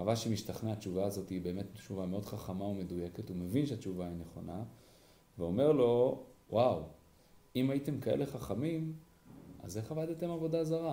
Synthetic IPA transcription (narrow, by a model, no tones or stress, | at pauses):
avaʃemiʃtaχnaat͡ʃuvaːzo̞tiːbe̞ːme̞tt͡ʃuvameo̞dχaχamaume̞duje̞ketume̞vinʃeat͡ʃuvaineχo̞na | veo̞me̞ʁlo̞wʔaw | imajite̞mkaḛle̞χaχamim | a̰ze̞χavadet̪e̞mavo̞dazaʁa